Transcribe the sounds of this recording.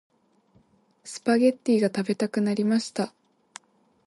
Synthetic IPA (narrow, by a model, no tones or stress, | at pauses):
sɨ̥paɡe̞t̪ʲːiːɡat̪abe̞t̪akɯ̟naɾʲimaɕi̥t̪a